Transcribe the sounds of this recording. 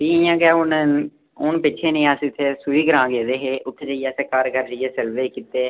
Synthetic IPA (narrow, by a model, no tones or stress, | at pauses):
piːɪjãːɡaːʊn | ʊnpɪt͡ʃʰeːnẽːaːsɪt̪ʰːeːsuiːɡəɾãːɡeːd̪eːɦeːʔʊt̪ʰːed͡ʒaːijaːseːkaːɾɡʱəɾd͡ʒəjeːsɛlʋeːkit̪ːeː